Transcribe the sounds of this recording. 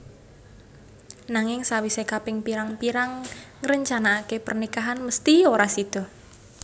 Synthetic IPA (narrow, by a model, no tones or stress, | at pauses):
naŋɪŋsawisekapɪŋpiɾaŋpiɾaŋːəɾəɲt͡ʃanaːkepərnikaɦanməst̪ioɾasid̪̥ɔ̤